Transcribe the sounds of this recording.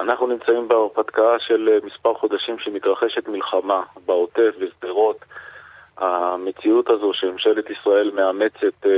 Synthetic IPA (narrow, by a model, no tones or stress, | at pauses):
anaχnunimt͡saimbeaʁpat̪kaaʃe̞lmispaʁχo̞d̪aʃimʃemit̪ʁaχe̞ʃe̞t̪milχamabao̞te̞fvesd̪eʁo̞t̪ | hame̞t͡siut̪azo̞ʃeemʃe̞let̪isʁae̞lmeame̞t͡se̞t̪